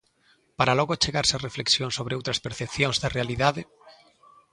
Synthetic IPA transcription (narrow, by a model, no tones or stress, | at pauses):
paɾalɔɣot͡ʃeɣaɾsarefleksjoŋsoβ̞ɾeowt̪ɾaspeɾθepθjõŋzðarealiðaðe